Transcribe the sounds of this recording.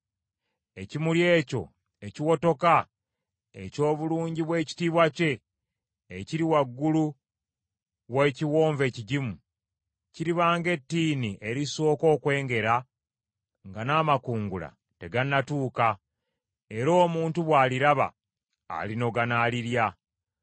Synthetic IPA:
e̞cimulje̞ːco̞̰ | e̞ciwo̞to̞ka | e̞̰co̞ːβuluːɲɟiβwe̞ːci̥tiːβwace̞ː | ciɾiwaɡːulu | weciwoːɱve̞ːciɟimu | ciɾiβaːŋɡe̞tːiːniʔe̞ɾiso̞ːko̞ːkwe̞ːŋɡe̞ɾa | ŋɡanaːmakuːŋɡula̰ | te̞ɡanatuːka | e̞ɾo̞ːmuːntuβwaːliɾaβa̰ː | lino̞ɡanaːliɾja

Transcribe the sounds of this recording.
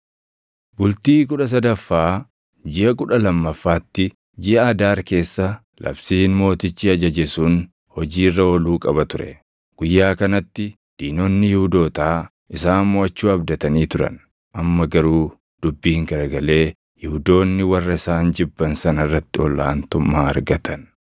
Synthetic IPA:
bʊlt̪iːk̬ʼʊᶑɐs̬ɐd̪ɐfːaː | d͡ʒɪʔɐkʼʊᶑɐlɐmːɐfːaːt̪ːɪ | d͡ʒɪʔɐːd̪aːɾke̞ːsːɐ | lʔɐ̰bsiːnmo̞ːt̪ɪt͡ʃːiɐd͡ʒɐd͡ʒɛsuːn | hɔd͡ʒiːrːɐɔluːkʼɐbɐt̪ʊɾɛ̰ | ɡ̥ʊjːaːkɐnɐt̪ːɪ | d̪̥iːno̞ːnːɪjɪhʊd̪o̞ːt̪aː | ɪsaːnmɔɐt͡ʃːuːɐbd̪ɐt̪ɐniːt̪ʊɾɐ̰n | ʔɐmːɐɡɐɾuː | d̪̥ʊbːiːŋkɐɾɐɡɐle̞ː | jɪhʊd̪o̞ːnːɪwɐrːɐɪsaːnd͡ʒɪbːɐnsɐnɐrːɐt̪ːɪɔlːa̰ːnt̪ʊmːaːɐ̰ɾɡɐt̪ʰɐn

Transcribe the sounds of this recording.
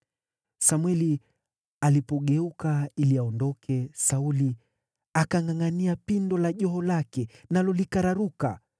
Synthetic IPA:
samwɛli | alipɔɠɛukailiaɔndɔkʰɛsauli | akaŋaŋaniapindɔlaʄɔɦɔlakɛnalɔlikaɾaɾuka̰

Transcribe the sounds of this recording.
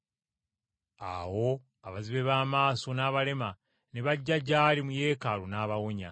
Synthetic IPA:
aːwo̞ | aβaziβe̞βaːmaːso̞naːβale̞ma | ne̞βaɟːaɟːaːlimuje̞ːkalunaːβawoɲa

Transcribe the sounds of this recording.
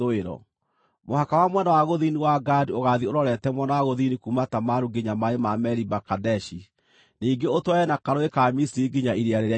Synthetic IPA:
oeɾɔ̰ | mohakawamwɛnawaɣoðiniwaɡadioɣaðioɾɔɾɛtɛmwɛnawaɣoðinikumatamaɾuɡeɲamaemamɛɾibakadɛʃi | niːɡeotwaɛnakaɾoekamisiɾiɡiɲaʔiɾiaɾeɾea

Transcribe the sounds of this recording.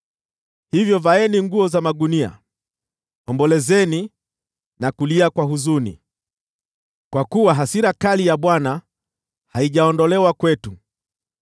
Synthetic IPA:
hivjɔvaɛniŋɡuɔzamaɡunia̰ | ɔmbɔlɛzɛni | nakuliakwaɦuzunḭ | kwakuwaɦasiɾakalijaɓwana | haiʄaɔndɔlɛwakwɛtu

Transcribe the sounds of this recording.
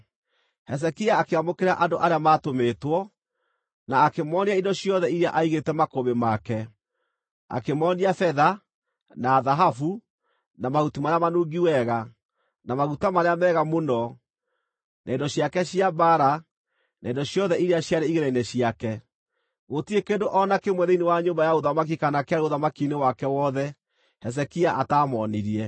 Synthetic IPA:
hɛs̬ɛkiaːkeɣamokeɾaʔandoʔaɾeamatomeːtwɔ | naːkemɔniaindɔɕjɔðɛiɾeaʔaiɣetɛmakoβemakɛ | a̰kemɔːniafɛða | naːðaɦafu | namaɣutimaɾeamanuːɡiwɛɣa | namaɣutamaɾeamɛːɣamonɔ | nʔaedɔɕjakɛɕiabaɾa | naendɔɕjɔðɛiɾeaɕjaɾeiɣeɾainɛɕiakɛ | ɣotiekendoʔɔnakemwɛðeinewaɲombajaoðamak̬ikanakeaɾoðamakinewakɛwɔðɛ | hɛs̬ɛkiaʔataːmɔniɾiɛ

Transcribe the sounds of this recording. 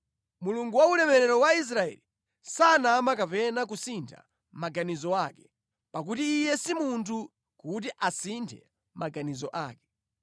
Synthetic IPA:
muluŋɡuwaulɛmɛɾɛɾɔwais̬ɾaɛ̰li | sanamakapɛnak̬usintʰa̰ | maɡanizɔakɛ̥ | pak̬utiːjɛsimuntʰu | kut̬iʔasintʰɛ̰ | maɡanizɔʔa̰ːkɛ̥

